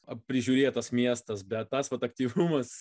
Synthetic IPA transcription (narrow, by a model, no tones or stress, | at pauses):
ɐpʲɾʲɪʒʲuːɾʲeːjt̪ɐsmʲiɛst̪ɐsbʲɛt̪ːɐsʋɐt̪ɐkt̪ʲiːʋumɐs